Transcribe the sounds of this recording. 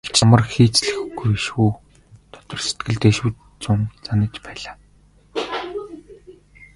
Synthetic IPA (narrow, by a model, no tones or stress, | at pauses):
ɡe̥t͡ɕʰamə̆rxiːt͡sɮɘ̆xɡujeʃwuː | t̪ʰɔ̥t̪ɞ̆rse̥t̪̚ɡɘ̆ɮt̪ːeʃŭwt̪ | t͡sʊnt͡sanə̆kt͡ɕpæːɮaː